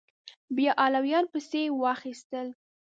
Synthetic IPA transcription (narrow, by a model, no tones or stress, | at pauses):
bjɑʔɑlawjɑnpəsewɑxist̪əl